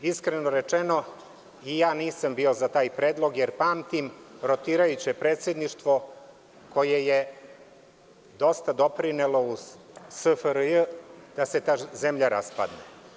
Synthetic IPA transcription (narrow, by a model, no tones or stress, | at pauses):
iskɾenoɾet͡ʂeno | ijaːniːsambiːo̞zat̪aːjpɾeːd̪lˠo̞ɡjeɾpaːmt̪imɾot̪iːɾajut͡ɕepɾe̞ːt̪sʲjed̪niʂt̪ʋo̞ | ko̞jeje | d̪o̞st̪ad̪o̞pɾinelo̞u | səfəɾjəd̪̥ase̞t̪aːzemʎaɾa̰spa̰d̪ne